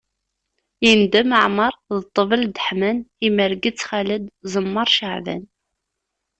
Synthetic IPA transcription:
jənd̪æməʕməɾˤðət̪ˤːəvəld̪əħmæniməɾɡət͡sːχaləd̪zˤəmːəɾˤʃəʕvæ̰n

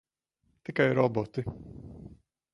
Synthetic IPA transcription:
t̪ɪkajɾɔbɔt̪ɪ

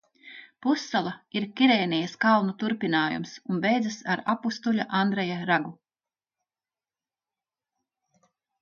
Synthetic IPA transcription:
pusːalˠaiɾkʲiɾeːnijɐskalˠnut̪uɾpʲinaːjṵmsunbɛjd̪zɨsaɾapust̪uʎʲaʔand̪ɾɛjaɾaɡu

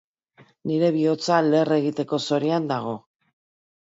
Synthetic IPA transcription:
niɾe̞βio̞t͡sale̞re̞ɣit̪e̞ko̞so̞ɾiand̪aɣ̞o̞

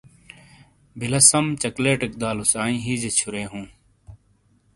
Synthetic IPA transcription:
bʱɪlɐsɐmt͡ɕɐkleːʈɪk̚d̪aːlusaːĩːɦiːd͡ʑet͡ɕʰʊɾeːɦũː

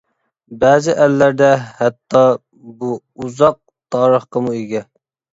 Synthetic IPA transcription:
bɛːzɪʔælːæɾd̪ɛhɛt̪ʰːɑ | bu | uzɑq̚ | t̪ʰɑːɾəχqɑmueɡʲɛ

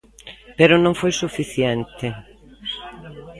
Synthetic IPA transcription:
peɾʊnõŋfojsufiθjɛnt̪ɪ

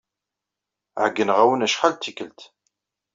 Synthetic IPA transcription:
ʕəɡːənʁæwənæʃχalt̪ːikːəlt̪

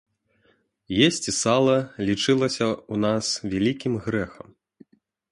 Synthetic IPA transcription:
jesʲt͡sʲisalˠɐlʲit͡ʂɨlˠɐsʲɐunasvʲalʲikʲimɣɾɛxɐm

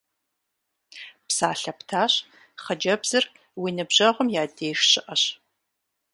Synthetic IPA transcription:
psaːɬɐptʰaːɕ | χɐd͡ʒɐbz̥ɨr | wiːnɨbʑɐʁʷʊmjaːdeːʃɕɪʔɐɕ

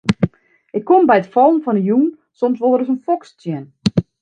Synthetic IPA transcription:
ʔɪkʰːombɛjətfɔlˠn̩fɔnəjuːn | somsʋolˠəɾəs̬ənfɔkstjɛn

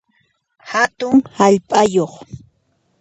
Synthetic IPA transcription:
hat̪ʊŋhaʎpʼajoχ

